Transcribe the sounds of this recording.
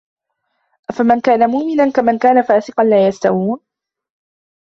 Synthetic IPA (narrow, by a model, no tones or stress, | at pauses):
ʔafamankaːnamʊʔmɪnankamankaːnafaːsɪqɑnlaːjast̪a̰wuːn